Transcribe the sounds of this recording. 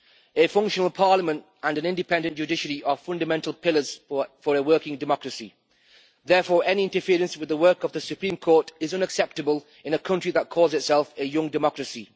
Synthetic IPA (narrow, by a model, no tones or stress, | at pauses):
əfʌ̃ŋkʃənəl̩ˠpʰɑɹləmə̃nt | ə̃nə̃nɪ̃ndɪpʰɛ̃ndɨ̃nd͡ʒ̥ʉdɪʃəɹiʔəfʌ̃ndəmɛ̃ntʰˡəl̩ˠpʰɪlˠəz̥fəɹəwɜˑ˞kɪ̃ŋdɪmɒkɹəsi | ðɛɹfɔːɹɛniɪ̃ntəfɪəɹə̃nswɨðəwɜˑ˞kəvðəsʉpʰɹ̥ĩmkʰɔɹtɪzʌ̃nəksɛp̚təbəlˠ | ɪ̃nəkʰʌ̃nt͡ʃɹ̥iðət̚kʰɔːzɪtsɛlˠfəjʊ̃ŋdɪmɒkɹəsi